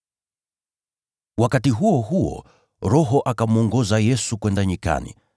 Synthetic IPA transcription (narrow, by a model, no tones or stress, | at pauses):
wakatiɦuɔɦuɔ̰ | ɾɔɦɔʔakamuɔŋɡɔzajɛsukwɛndaɲika̰nḭ